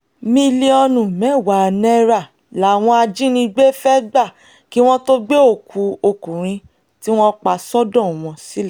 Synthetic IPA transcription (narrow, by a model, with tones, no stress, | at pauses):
mĩ˧li˦ɔ˧nũ˨mɛ̃˨˦˨wa˨nɛ˦ɾa˦˨ | la˨˦˨w̃ɔ̃˧a˧d͡ʒĩ˦nĩ˧ɡ͡be˦fɛ˦ɡ͡ba˦˨ | ki˦w̃ɔ̃˦to˦ɡ͡be˦o˦˨kʰu˧o˧kũ˨ɾ̃ĩ˧˦ | ti˦w̃ɔ̃˦k͡pa˧sɔ˦dɔ̃˦˨w̃ɔ̃˧si˦lɛ˦˨